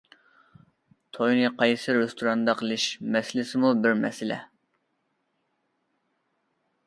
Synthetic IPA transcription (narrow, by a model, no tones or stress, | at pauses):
t̪ʰojnɨqʰɑjsɨɾɪst̪ʰuɾɑnd̪ɑqʰəlˠɨʃmɛsɪlɪsɪmubɪɾmɛ̰sɪlɛ̰